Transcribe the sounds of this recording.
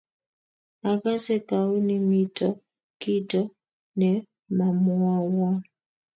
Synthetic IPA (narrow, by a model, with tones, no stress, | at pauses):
a˨ka˦sɛ˦ka˨u˦ni˦mi˦tɔ˦ | ki˦tɔ˦ | nɛ˨ | ma˨mu˦a˦wa˦